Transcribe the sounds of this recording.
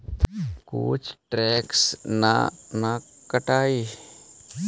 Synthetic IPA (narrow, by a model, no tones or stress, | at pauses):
ko̰ːt͡ʃʰʈɾɛːksna̰na | kəʈaːi